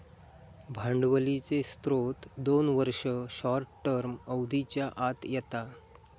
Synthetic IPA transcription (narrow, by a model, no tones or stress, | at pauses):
bʱãɳɖʋəlit͡sest̪ɾot̪d̪onʋəɾʂəɕɔɾʈːʈːəɾməwd̪ʱit͡ɕjaʔat̪jɛt̪a